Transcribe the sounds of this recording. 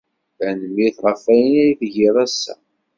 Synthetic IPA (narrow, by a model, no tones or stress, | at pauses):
ænəmiθʁˤəfæjənæjθʝiðˤæsːæ̰